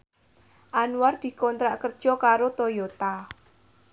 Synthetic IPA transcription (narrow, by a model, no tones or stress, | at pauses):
ʔanward̪̥i̤kɔnt̪ɾaʔkərd̥ʒ̥ɔ̤kaɾot̪ojot̪a